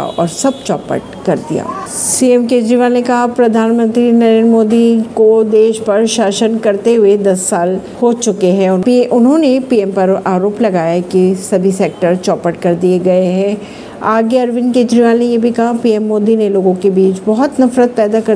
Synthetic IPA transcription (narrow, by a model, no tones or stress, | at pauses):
ɔ̰ːɾsɐb̚t͡ʃɔːpə̰ʈ̚ | kɐɾd̪ḭja̰ː | siːɛmkeːd͡ʒɾiʋaːlnekɐɦapɾɐd̪ʱaːnmə̃nt̪ɾinɐɾẽːnɾmoːd̪ikod̪eːʃpɐɾʃaːʃənkɐɾt̪eɦʊed̪ɐsːaːl | hot͡ʃʊkeɦɛ̃ʊniʔʊnɦõnepiːɛmpɐɾaːɾoːplɐɡaːjakisɐbʱiseːk̚ʈəɾt͡ʃɔːpəʈkɐɾd̪ieɡɐeɦɛ̃ | aːɡeɐɾʋɪ̃nkeːd͡ʒɾiʋaːlnejebʱikɐɦapiːɛmːoːd̪ineloːɡõkebiːt͡ʃbɔɦʊt̪nɐfɾət̪̚pɛːd̪akɐ